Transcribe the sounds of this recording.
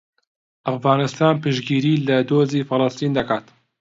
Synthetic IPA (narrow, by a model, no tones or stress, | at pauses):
ʔɐfɣaːnɨst̪aːnpɨʃɡiːɾiːlɐd̪oːziːfɨlˠɨst̪iːnd̪ɐkaːt̪